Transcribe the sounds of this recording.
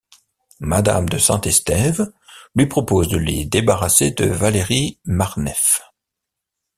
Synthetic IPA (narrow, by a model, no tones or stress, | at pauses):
mad̪a̰md̪əsɑ̰̃t̪ɛst̪ɛvlɥipχɔpozd̪əlḛd̪ebaʁased̪ə̰valeʁimaʁnɛf